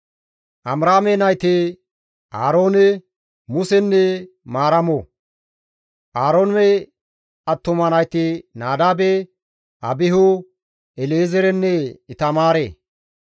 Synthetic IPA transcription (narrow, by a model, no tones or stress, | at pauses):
ʔɐmɾaːmenɐjt̪e | ʔaːɾo̞ːnɛ | mʊsɛnːɛ | maːɾɐmo | ʔaːɾoːnmɛ | ɐt̪ːʊmɐnɐjt̪enaːd̪aːbɛ | ʔɐbɪɦʊ | ɛleːzɛɾɛnːɛɪt̪ɐmaːɾḛː